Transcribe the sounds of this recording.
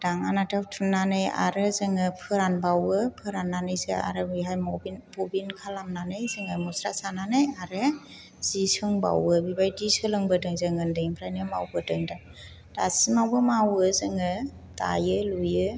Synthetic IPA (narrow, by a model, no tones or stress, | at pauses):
d̥aŋanatʰawtʰunnːanɯja̰ɾɯzɯŋɯpʰɯɾanbawɯpʰɯɾanːanɯjzea̰ɾɯbiɦajmɔbinpɔbinkʰalamnanɯjzɯŋɯmɔsɾasananɯjaɾɯ | z̥isɯŋba̰wɯbibajdisɯlɯŋbɯdɯŋzɯŋɯndɯŋipʰɾajnɯma̰wbɯdɯŋdaŋ | dasimawbɯmawɯzɯŋɯ | ta̰jɯlujɯ